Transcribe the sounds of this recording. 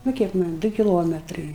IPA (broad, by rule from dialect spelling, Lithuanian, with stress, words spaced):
nʊ ˈkʲiɛk ˈmɐnʲ ˈdʊ kʲɪˈlˠoːmʲɛtrɐɪ